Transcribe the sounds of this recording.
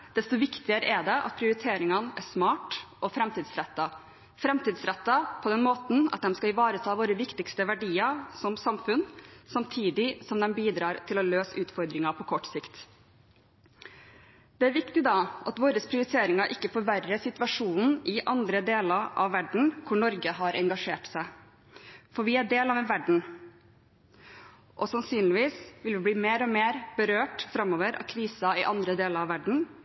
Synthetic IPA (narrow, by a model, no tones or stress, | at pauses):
d̪̥ɛst̪ʊʋɪkt̪ɪəɾəʔɛd̪ɛʔɑ̰t̪̚pʰɾɪʊɾɪt̪ʰeːɾɪŋɑnæʂmɑːʈʔɔfɾɛmt̪ʰiːd̪sɾɛt̪ːɑ | fɾɛmt̪iːd̪sɾɛt̪ːɑpʰɔd̪ɛnmoːt̪n̩ɑ̰t̪̚d̪ɛmskɑɪʋɑːɾət̪ʰɑːʋoːɾəʋɪkt̪ɪkst̪əʋæɖiːɑɾsɔmsɑmfʉnsɑmt̪ʰiːd̪ɪsɔmd̪ɛmbiːd̪ɾɑːɾt̪ʰɪlɔløːsʉːt̪fɔɾd̪ɾɪŋɑpʰɔkʰɔʈːsɪkt̪ | d̪̥ɛæɾʋɪkt̪ɪd̪ɑʔɑt̪ʋoːɾəspʰɾɪʊɾɪt̪ʰeːɾɪŋɑʔɪkːəfɔɾʋærəsɪt̪ʋɑʂuːnn̩ʔɪʔɑnd̪ɾəd̪eːlɑɾʔɑ̰ʋːæɖɳ̩kʰʊɳɔɾɡəɦɑɾʔɛŋɡɑʂeːʈsæɪ | fɔɾʋɪæɖeːlɑːʋɛnʋæɖɳ̩ | ʔɔsɑnsyːnlɪʋiːsʋɪlʋɪbliːmeːɾɔmeːɾb̥əɾøːʈfɾɑmoːʋəɾɑ̰kʰɾiːsɑɪʔɑnd̪ɾəd̪eːləɾɑʋæɖɳ̩